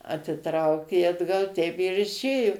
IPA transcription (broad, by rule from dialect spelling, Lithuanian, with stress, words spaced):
ɐtʲɪˈtrɐʊkʲeː ɐdˈɡɐlˠ tʲɛɪp ɪr ɪʃʲˈeːjʊ